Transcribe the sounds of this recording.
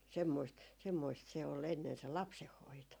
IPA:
semːoist semːoist se ol enːen se lɑpsehːoito

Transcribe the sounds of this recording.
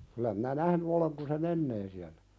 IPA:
kylæ minæ næhny oleŋ kun se menːeː siælːæ

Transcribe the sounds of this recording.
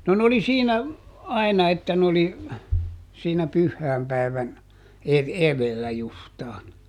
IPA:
no n oli siːnæ ɑi̯nɑ etːæ n oli siːnæ pyhːæːmpæi̯ʋæn eð eðelːæ justɑːn

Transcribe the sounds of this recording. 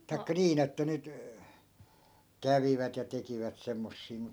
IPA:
tɑi̯kːɑ niːn etːæ nyt kæʋiʋæt jɑ tekiʋæt semːosːiː mut

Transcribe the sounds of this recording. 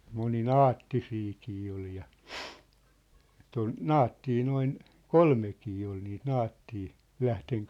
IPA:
moninɑːtːisiːkiː ol jɑ et on nɑːtːiː noin kolmekiː ol niːt nɑːtːiː læhteŋ

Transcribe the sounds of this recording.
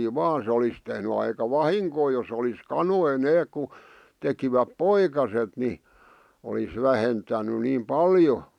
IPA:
ʋɑːn se olis tehny ɑikɑ ʋɑhiŋkoː jos olis kɑnoi neːk̆ ku tekiʋæp poikɑset ni olis ʋæhentæny niːm pɑljo

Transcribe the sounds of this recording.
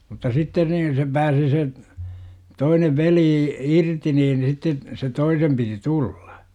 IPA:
mutːɑ sitːen niːn se pæːsi se toineʋ ʋeliː irti niːn sitːe se toisem piti tull̥ɑ̥

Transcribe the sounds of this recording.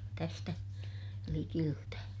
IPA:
tæstæ likiltæ

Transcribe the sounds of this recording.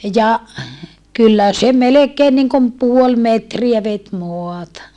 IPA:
jɑ kylːæ se melekeːn niŋkom puol metriæ ʋet moɑtɑ

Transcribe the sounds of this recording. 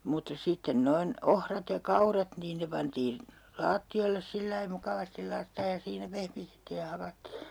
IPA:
mutːɑ sitːen noin ohrɑt jɑ kɑurɑt niːn ne pɑntiːn lɑːtːioilːes silːɑi mukɑʋɑstil lɑitːɑej jɑ siːnæ pehmitetːiːj jɑ hɑkɑtːiː

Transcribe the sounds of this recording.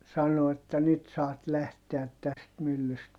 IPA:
sɑno etːæ nyt sɑːt læhteæt tæst mylːyst

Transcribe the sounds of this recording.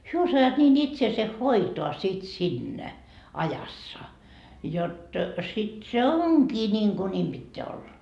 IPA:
hyø osɑjɑːt niːn itseːse hoitoɑ sit sinːæ ɑjɑsːɑ jot sit se oŋkiː niːŋku nʲiːm b̥itːeæ olːɑ

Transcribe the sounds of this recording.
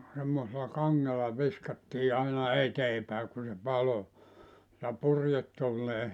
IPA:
semːoselɑ kɑŋːelɑ ʋiskɑtːiː ɑinɑ eteː pæˑe ku se pɑlo jɑ purjetːuːlːeː

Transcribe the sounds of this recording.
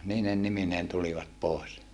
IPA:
niːnen nimineːn tuliʋɑt poˑes

